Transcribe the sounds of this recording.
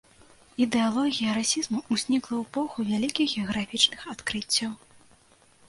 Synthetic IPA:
id̪ɛalˠɔɣʲijɐɾasʲizmuuzʲnʲiklˠɐwpɔxuvʲalʲikʲiɣɣʲɛɐɣɾafʲit͡ʂnɨxat̪kɾɨt͡sʲːɐw

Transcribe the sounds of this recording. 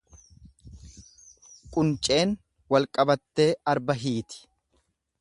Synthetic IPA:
kʼʊnt͡ʃʼe̞ːn | wɐlkʼɐbɐt̪ːe̞ːɐɾbɐɦiːt̪ɪ̥

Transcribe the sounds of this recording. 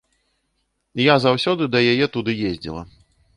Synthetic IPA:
jazawsʲɔd̪ɨd̪ɐjajɛt̪ud̪ɨjezʲd͡zʲḭlˠɐ̰

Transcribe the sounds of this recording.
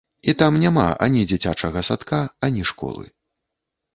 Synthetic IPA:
it̪amnʲama̰ʔa̰nʲid͡zʲit͡sʲat͡ʂɐɣɐsat̪kaanʲiʂkɔ̰lˠɨ̰

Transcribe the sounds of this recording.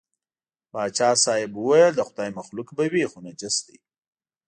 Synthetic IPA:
bɑːd̪t͡ʃɑːsɑːɪbʊwajəld̪əxʊd̪aːjmaxlʊkbawixonad͡ʒɪsd̪ḭ

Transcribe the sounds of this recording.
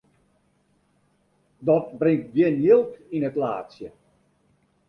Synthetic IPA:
dɔt̚brɪŋt̚ɡjɪnjilˠkinətla̰ːtsjə

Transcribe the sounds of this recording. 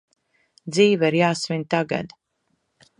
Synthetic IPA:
d̪ziːvaiɾjaːsmʲint̪aɡa̰d̪

